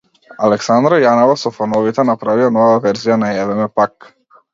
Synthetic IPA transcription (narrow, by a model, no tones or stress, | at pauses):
alɛksand̪ɾajanɔvasɔfanɔvit̪ɛnapɾavianɔvaavɛɾzijanajavɛmɛpak